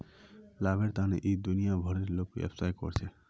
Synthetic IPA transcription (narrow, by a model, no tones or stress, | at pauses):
labeɾt̪anḛʔid̪unijabʱɔɾeɾlokḛpʰsajkɔ̰ɾt͡ʃʰɛ